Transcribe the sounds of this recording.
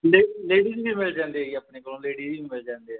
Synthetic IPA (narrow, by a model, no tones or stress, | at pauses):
leːleːɽiːd͡ʒiːʋimɪld͡ʒãːnd̪eːiəpneːkolõːleːɖiːd͡ʒiiːmɪld͡ʒãːnd̪eːɦɛ